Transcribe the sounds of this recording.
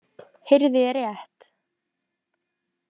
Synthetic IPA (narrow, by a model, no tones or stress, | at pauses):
hɪɾðɪɛɾjɛht̪